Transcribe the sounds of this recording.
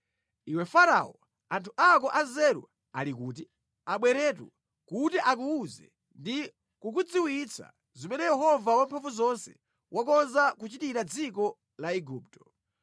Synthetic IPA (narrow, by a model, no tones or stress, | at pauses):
iwɛfaɾaɔ | antʰuʔakɔʔazɛɾṵ | alik̬uːt̬i | aɓwɛɾɛːtṵ | kutiʔak̬uuzɛ̰ | ndi | kukud͡ziwit͡sʰa̰ | zimɛnɛjɛɦɔvawampʰaɱvuzɔnsɛ̥̰ | wʔakɔnzakut͡ʃitiɾad͡zikɔ | laiɡuːp̚tɔ̥